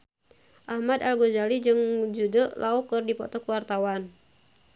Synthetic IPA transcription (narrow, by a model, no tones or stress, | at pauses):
ʔahmadalɡod͡ʒalid͡ʒɨŋd͡ʒudəlaukɨrdipɔ̰t̪ɔkwart̪awan